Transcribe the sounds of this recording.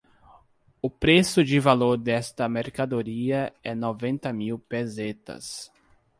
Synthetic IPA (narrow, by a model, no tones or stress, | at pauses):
ʊpɾesʊd͡ʒɪvaloɾd̪ɛst̪ɐmeɾkad̪oɾiɐɛnovẽnt̪ɐmiwpezet̪ɐ̰s